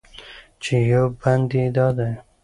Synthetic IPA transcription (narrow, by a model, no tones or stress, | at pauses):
t͡ʃejowband̪ed̪ɑd̪aj